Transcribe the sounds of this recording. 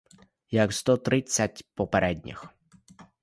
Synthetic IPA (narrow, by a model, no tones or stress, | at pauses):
jɐkst̪ɔt̪ɾɪt͡sʲːɐtʲpɔpeɾʔɛdʲnʲḭx